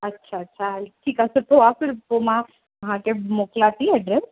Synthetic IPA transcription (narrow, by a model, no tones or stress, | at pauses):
ətːʃʰaətːʃʰaʈʰiːkasət̪ʰoafɪɾpomã | ɦãkemoklat̪iɛɖɾɛs